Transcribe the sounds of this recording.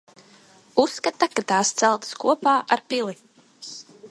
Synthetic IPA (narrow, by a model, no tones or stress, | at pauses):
usːkat̪akat̪aːst̪sælˠt̪skuɔpaːʔaɾpilˠi